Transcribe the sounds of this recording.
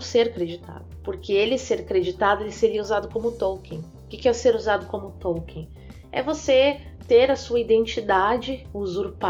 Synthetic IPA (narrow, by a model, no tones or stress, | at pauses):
seɾakɾed͡ʒit̪ʰa̰d̪ʊpoɾkeelɪseɾakɾed͡ʒit̪ad̪ʊelɪseɾiɐuzad̪ʊkõmʊt̪owkẽʊkɪkɪɛʊseɾuzad̪ʊkõmʊt̪owkẽ | ɛ̰voset̪eɾɐsuɐid̪ẽnt͡ʃid̪ad͡ʒɪʊzuɾpa